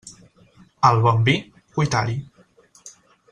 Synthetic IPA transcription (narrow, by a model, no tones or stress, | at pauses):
əlˠβɔmbi | kujt̪aɾi